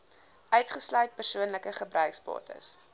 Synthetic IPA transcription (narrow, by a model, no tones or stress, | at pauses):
ʔœɥtχəslœɥt̚pərsuənləkəχəbrœɥksbɑ̰ːtə̰s